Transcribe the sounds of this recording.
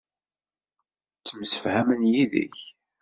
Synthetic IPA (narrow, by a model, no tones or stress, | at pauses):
t͡sːəmsə̥fhæmənjiðə̰ç